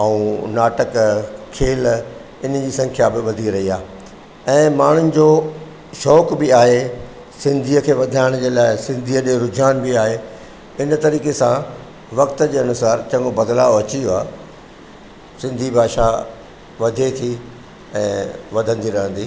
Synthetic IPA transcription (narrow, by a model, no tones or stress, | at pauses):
ɐũnaːʈəkkʰeːl | ɪn̤d͡ʑiːsɐ̃ŋkʰjabɪʋɐd̪ʱiɾɐɦiaː | ɛ̃ːmaːɳ̤ʊnɪ̆d͡ʑoː | ʃɔːkbɪaːɦe | sɪ̃nd̪ʱiːəkʰeːʋɐd̪ʱaːɪɽ̃d͡ʑeːlaːɪsɪ̃nd̪ʱiːəɗeɾʊd͡ʑʱaːnbɪaːɦe | ɪnt̪ɐɾiːkesã | ʋɐkt̪əd͡ʑeːɐnʊsaːɾt͡ɕɐ̃ŋɡobɐd̪la̰ːɐt͡ɕioa̰ː | sɪ̃nd̪ʱibʱaːʃa | ʋɐd̪ʱet̪ʰi | ɛ̃ːʋɐd̪ʱə̃nd̪iɾɐɦə̃nd̪iː